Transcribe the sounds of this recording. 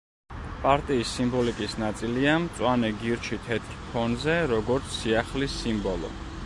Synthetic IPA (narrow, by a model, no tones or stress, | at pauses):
pʼaɾt̪ʼiːsːimbɔlikʼisnat̪sʼiliamt̪sʼwanɛɡiɾt͡ʃʰit̪ʰɛt̪ʰkʰpʰɔnzɛɾɔɡɔɾt̪sʰːiaχlisimbɔlˠɔ̰